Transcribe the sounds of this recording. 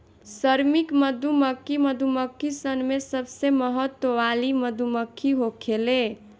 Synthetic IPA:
sʌɾmikmʌd̪ʱumʌkːimʌd̪ʱumʌkːisʌnmesʌbsemʌɦʌt̪ːwowalimʌd̪ʱumʌkʰːiɦokʰele

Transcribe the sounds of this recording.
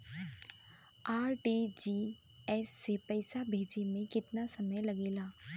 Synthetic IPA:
aːɾʈiːd͡ʒiː | ɛsːepɛɪsabʱeːd͡ʒemẽkɪt̪nasɐməjlɐɡeːlaː

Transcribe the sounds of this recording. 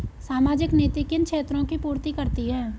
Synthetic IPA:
saːmaːd͡ʒɪkneːt̪ikɪnkʃʰeːt̪ɾõkipuːɾt̪ikəɾt̪iɦɛ̃ː

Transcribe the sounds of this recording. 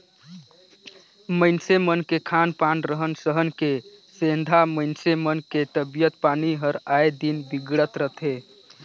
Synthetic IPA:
məɪnsemənkekʰanpanɾəɦənsəɦənke | send̪ʱaməɪnsemənket̪əbijət̪̚paniɦəɾajd̪inbiɡɽət̪ɾəɦt̪ʰe

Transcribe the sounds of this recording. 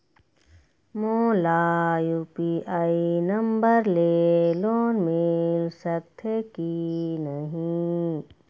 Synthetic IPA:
molaːjuːpiʔaːinɐmbəɾleːloːnmɪlsək̚t̪ʰekinɐɦĩ

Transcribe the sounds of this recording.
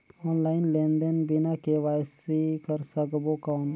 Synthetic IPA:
oːnlaːɪnlẽːnd̪ənbɪnakeʋaːjsikəɾsəɡbokaːʊn

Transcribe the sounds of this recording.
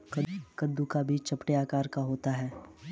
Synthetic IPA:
kɐkɐnd̪ukabʱit͡ʃt͡ʃɐpʈeaːkaːɾkaɦoːt̪aɦɛː

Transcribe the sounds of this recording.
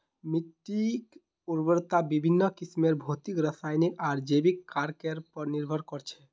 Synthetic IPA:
miʈːik | uɾbəɾt̪abibʱinːəkismeɾbʱot̪ikɾəsajnikaɾd͡ʒebikːaɾkeɾpəɾniɾbʱəɾkɔɾt͡ʃʰɛ

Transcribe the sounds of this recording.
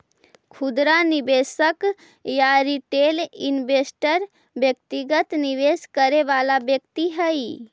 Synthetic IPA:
kʰud̪ɾanibesək | jaɾiʈelinbesʈəɾ | bjək̚t̪iɡət̪niʋeskəɾeʋalabjək̚t̪iɦəi

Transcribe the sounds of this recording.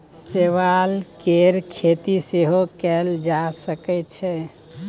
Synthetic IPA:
seʋalkeɾkʰet̪iseɦokɛld͡ʒasəkɛtt͡ʃʰɛ

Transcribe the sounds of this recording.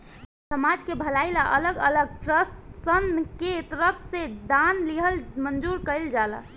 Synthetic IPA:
səmad͡ʒkebʱəlaɪlaʔə̰ləɡə̰ləɡ̚ʈɾəsʈsənket̪əɾəpʰsed̪anliɦəlmənd͡ʒuɾkəɪld͡ʒalə̰

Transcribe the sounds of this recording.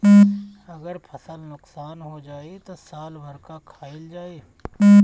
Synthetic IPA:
ɐɡəɾpʰəsəlnʊksaːnɦod͡ʒaːet̪osaːlbʱəɾkakʰaːɪld͡ʒaːeː

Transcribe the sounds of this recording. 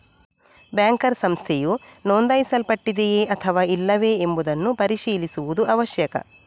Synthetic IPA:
bjaːŋkɐɾsɐmst̪ʰejunoːnd̪ɐjisɐlpɐʈːid̪ejeːʔɐt̪ʰɐʋaːilːɐʋeːmbud̪ɐnːupɐɾiʃiːlisuʋud̪uʔɐʋɐʃjɐkɐ̰

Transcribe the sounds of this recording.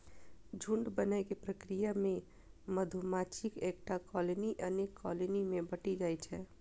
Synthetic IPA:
d͡ʒʱuɳɖbənajkepɾəkɾijamẽ | məd̪ʱumat͡ʃʰikek̚ʈakɔleniʔənekːɔ̰lenimẽbəʈid͡ʒajt͡ʃʰɛ

